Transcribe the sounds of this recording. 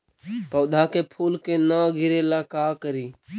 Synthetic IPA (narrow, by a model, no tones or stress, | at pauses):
pəʊɗ̪ʱaːkeːpʰuːlkeːnãːɡʱɪɾeːlaːkaːkəɾiː